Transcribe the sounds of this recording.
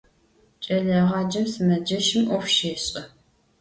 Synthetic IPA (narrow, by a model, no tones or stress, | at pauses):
t͡ʃʼɐɮɐʁɑːd͡ʒɐmsɨmɐd͡ʒɐʃɪmʔʷɔxʃeːɕʼɐ